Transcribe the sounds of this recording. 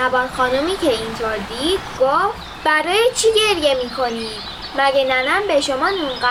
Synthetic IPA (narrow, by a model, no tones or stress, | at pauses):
æbɒːɾxɒːnumicʰeint̪ʰoɾd̪iːd̪̥ɡ̥of | bæɾɒːjet͡ʃʰiɟe̞ɾje̞miːkʰo̞niːd̪̥ | mæɟenænæmbe̞ʃomɒːnunɢæ